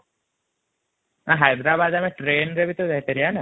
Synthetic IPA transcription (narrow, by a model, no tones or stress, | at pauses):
aɦajd̪ɾaːbaːd̪ameʈɾeːnɾeʋit̪ud̪ɛit̪eɾianə